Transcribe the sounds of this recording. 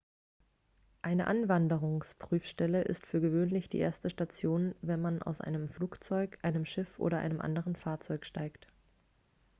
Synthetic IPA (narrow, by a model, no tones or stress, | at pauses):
ʔaɪnəʔanvandəʁʊŋspʁ̥yːfʃtɛləʔɪ̰stfyːɐɡəvøːnlɪçd̥ḭːʔḛːɐstəʃtat͡sjoːnvɛnmana̰ʊsʔa̰ɪnəmfluːkt͡sɔʏkʔaɪnəmʃɪfʔo̰ːɾɐʔa̰ɪnəmʔa̰ndəʁ̞ənfaːɐt͡sɔʏkʃtaɪkt